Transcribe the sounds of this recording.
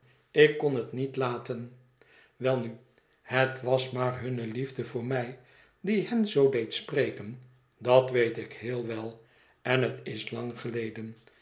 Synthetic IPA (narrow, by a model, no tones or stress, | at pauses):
ɪkːɔnɦətnitlaːtən | ʋɛlˠny | hətʋɑsmaːrɦɵnəlivdəvʊːɹmɛj | diɦɛnzowdejtsprejkən | dɑtʋejtɪkɦɪːlˠʋɛlˠ | ɛnɦətɪslɑŋχəlejdən